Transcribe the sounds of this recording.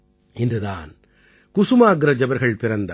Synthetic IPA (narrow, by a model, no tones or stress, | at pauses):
ɪndrɯða̰ːn | kʊsumaːɡɾɐd͡ʒɐʋɐɾɣɐɭpɪɾɐnd̪ɐ